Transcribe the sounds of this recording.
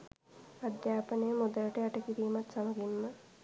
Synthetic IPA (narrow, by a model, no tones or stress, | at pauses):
ad̪jaːpənəjəmod̪ələʈəaʈəkiɾiːmat̪saməɡimːə